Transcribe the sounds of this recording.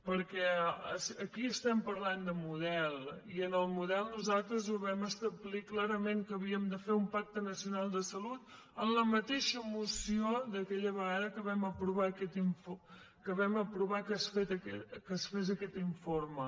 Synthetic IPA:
pəɾkɛəsəkiəst̪ɛmpəɾland̪əmuð̞ɛlˠiənəlˠmuðɛlˠnuzalˠt̪ɾəzuβɛməst̪əβliklaɾəmeŋkəβiəmd̪əfeumpak̚t̪ənəsiunalˠd̪əsəlut̪ | ənləmət̪eʃəmusiod̪əkɛʎəβəɣaðəkəβɛməpɾuβaːkɛt̪iɱfo | kəβɛməpɾuβakasfet̪əɛkasfezəkɛt̪iɱfoɾmə

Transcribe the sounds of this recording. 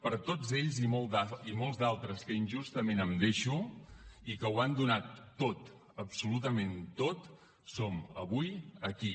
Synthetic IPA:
pəɾt̪od͡zeʎzimolˠd̪aimolˠzd̪alˠt̪ɾəskəinʲʒust̪əmenəmd̪eʃu | ikəwand̪unat̪ːot̪ | əpsulut̪̬əment̪ot̪ | soməβujəki

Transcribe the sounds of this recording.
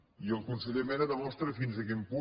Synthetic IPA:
iəlˠkunsəʎemɛɾəðəmɔst̪ɾəfinzəkimpu

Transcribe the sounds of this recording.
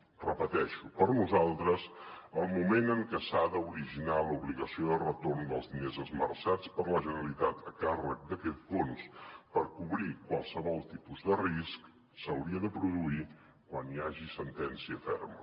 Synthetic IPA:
rəpət̪ɛʃupəɾnuzalˠt̪ɾəzəlˠmumenəŋkɛsaðəuɾiʒinaluβliɣəsioðərət̪ornd̪əlˠzðinezəzməɾsat͡spəɾləʒənəɾəlit̪at̪ʰəkarə̰k̚d̪əkɛt̪fonspəɾkuβɾikwalˠsəβɔlˠt̪ipuzðərisk | səwɾiəðəpɾuðui | kwaniaʒisənt̪ɛnsiəfɛrmə̰

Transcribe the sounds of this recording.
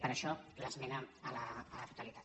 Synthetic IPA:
pəɾaʃɔləzmɛnəəlaːlat̪ut̪alit̪ḁt̪

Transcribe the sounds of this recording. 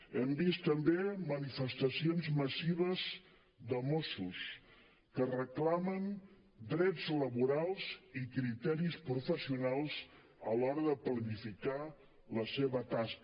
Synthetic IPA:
ɛmbist̪əmbemənifəst̪əsionzməsiβəz | d̪əmosus | kərəklamən | d̪ɾɛd͡zləβuɾalˠz̥ikɾit̪ɛɾispɾufəsiunalˠz | əlɔɾəðəplənifika | ləseβət̪ask

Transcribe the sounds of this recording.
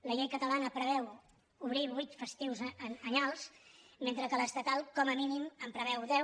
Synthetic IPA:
ləʎejkət̪əlanəpɾəβ̞ɛw | uβ̞ɾiβujt̪fəst̪iwzəɲalˠsment̪ɾəkələst̪ət̪alˠkɔməminiməmpɾəβ̞ɛwðɛw

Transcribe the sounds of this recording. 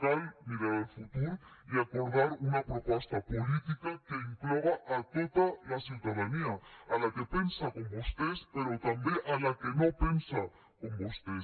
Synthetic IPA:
kajmiɾaɾelfut̪uɾiakoɾðaɾunapɾopɔst̪apolit̪ikakeiŋklɔɣaʔat̪ot̪alasiwt̪að̞aniaalakepensakombost̪espeɾot̪ambeʔalakenopensa | kombost̪es

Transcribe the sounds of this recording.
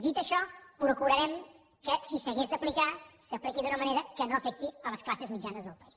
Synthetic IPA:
d̪it̪əʃɔpɾukuɾəɾɛm | kəsisəɣezd̪əplikasəplikiðunəməneɾəkənoəfɛk̚t̪iələsklasəzmid͡ʒanəzðəlˠpəis

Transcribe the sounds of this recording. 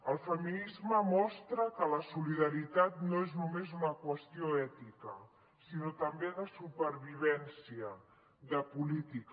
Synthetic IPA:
əlˠfəminizməmɔst̪ɾəkələsuliðəɾit̪at̪noeznumezunəkwəst̪ioɛt̪ikə | sinot̪əmbeðəsupəɾβiβ̞ɛnsiə | ðəpulit̪ik

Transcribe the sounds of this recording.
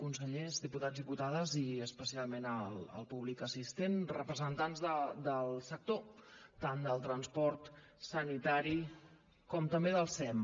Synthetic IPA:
kunsəʎezðiput̪ad͡zzðiput̪aðəziəspəsialˠmenələ̰lˠpuβlikəsist̪enrəpɾəzənt̪anzðəd̪əlˠsək̚t̪ot̪and̪əlˠt̪ɾənspɔɾt̪ | sənit̪aɾi | kɔmt̪əmbeðəlˠsɛm

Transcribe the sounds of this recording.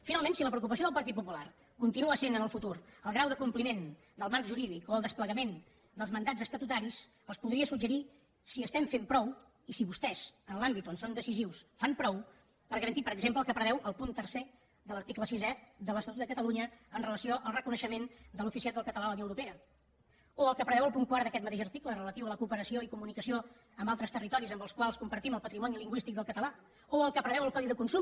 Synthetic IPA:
finalˠmẽnsiləpɾəuk̬upəsioðəlˠpəɾt̪it̪̚pupular | kunt̪inuəsenənəlˠfut̪uɾəlˠɣɾawðəkumplimen | d̪əlˠmaɾkʒuɾiðikoəlˠd̪əspləɣəmen | d̪əlˠzmənd̪ad͡zəst̪ət̪ut̪aɾis | əlˠspuðɾiəsuɡd͡ʒəɾi | siəst̪ɛmfempɾɔw | isiβust̪ɛzənlambit̪onsond̪əsiziwsfampɾɔw | pəɾɣəɾənt̪ipəɾəɡzempləlˠkəpɾəβɛwʔəlˠpunt̪ərse | ðələɾt̪ikləsizɛðələst̪ət̪ut̪əkət̪əluɲəːnrələsioʔəlˠrəkunəʃəmend̪əlufisiat̪̚əlˠkət̪əlalunjoəwɾupeə | oəlˠkəpɾəβɛwəlˠpuŋkwaɾðəkɛt̪mət̪eʃərt̪iklərələt̪iwələkuːpəɾəsioikumunikəsio | əmbalˠt̪ɾəst̪ərit̪ɔɾizəmbəlˠskwalˠskumpəɾt̪iməlˠpət̪ɾimɔniliŋɡwist̪ik̚d̪əlˠkət̪əla | oəlˠkəpɾəβɛwəlˠkɔðiðəkunsum

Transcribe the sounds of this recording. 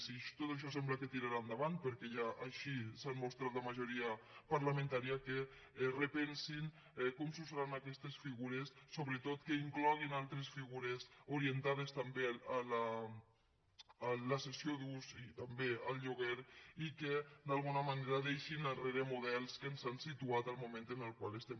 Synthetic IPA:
siʃt̪ot̪əʃ̬ɔs̬ɛmbləkət̪iɾaɾand̪aβant̪̚pəɾkɛʒaʔːʃisanmost̪ɾat̪ləmaʒuɾiəpaɾlamẽnt̪aɾiake | repɛnsin | ɛkɔmsusɾanakɛst̪esfiɣuɾesːoβɾet̪ot̪kəiŋklɔɣ̞inalˠt̪ɾesfiɣuɾesuɾient̪að̞est̪ambeala | ləsesioðusit̪ambeəlˠʎuɣ̞eɾiked̪alˠɣunəmaneɾaðejʃinəreɾemuðɛlˠskənzansit̪uat̪əlˠmumẽnt̪ənəlˠkwalest̪ɛm

